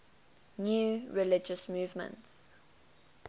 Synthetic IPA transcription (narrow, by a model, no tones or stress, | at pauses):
njuːɹɪlɪd͡ʒəsmuːvmə̰̃nts